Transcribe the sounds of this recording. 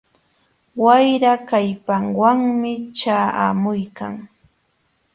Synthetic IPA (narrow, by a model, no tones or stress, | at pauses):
wajɾakajpaŋwaŋmɪt͡ʃaːa̰mʊjka̰ŋ